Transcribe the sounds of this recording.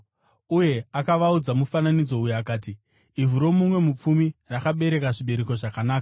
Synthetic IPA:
uje̞akaʋaud͡zamufananid͡zo̞ujaakaːtiː | vuɾo̞mumwe̞mup͡fumirakaɓe̞ɾe̞kaʐiɓe̞ɾe̞ko̞ʐakanaːka

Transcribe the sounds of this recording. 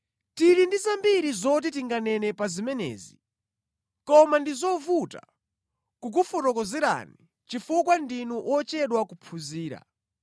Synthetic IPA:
tiɾindizambiɾizɔt̬it̬iŋɡanɛnɛpazimɛnɛ̰ːzi | kɔmandizɔvuta̰ | kuk̬ufutɔkɔzɛɾa̰ni | t͡ʃifukwandinuʔɔt͡ʃɛɗwakupʰuziːɾa̰

